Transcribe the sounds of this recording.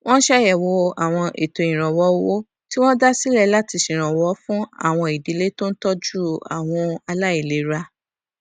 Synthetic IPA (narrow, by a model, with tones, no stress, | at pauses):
w̃ɔ̃˦n̩˦ʃɛ˦jɛ˨wo˧˦a˨w̃ɔ̃˧ʔḛ˨to˧˨ĩ˨ɾ̃ɔ̃˨wɔ˨˦wo˦ | ti˦w̃ɔ̃˦da˦si˦lɛ˦la˦ti˧ʃĩ˨ɾ̃ɔ̃˨wɔ˨˦fũ˦a̰˦˨w̃ɔ̃˧i˨di˨˦le˦tõ˦n̩˦tɔ˦d͡ʒu˦a̰˨w̃ɔ̃˧a˧la˦i˦˨le˨˦ɾa˧